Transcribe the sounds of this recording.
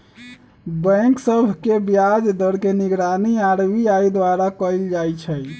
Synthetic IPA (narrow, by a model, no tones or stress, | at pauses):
bə̃ksəbʱkebjad͡ʒd̪ʱəɾkeniɡɾaniaɾbiaid̪waɾakəjld͡ʒajt͡ʃʰɛj